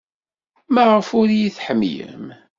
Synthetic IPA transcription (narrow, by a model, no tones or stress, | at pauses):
mæʁəfʊɾjiθħəmjə̰m